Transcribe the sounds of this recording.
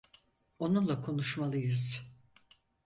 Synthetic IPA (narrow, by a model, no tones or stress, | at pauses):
o̞nunlˠakʰo̞nuʃmalˠɯjɯz̥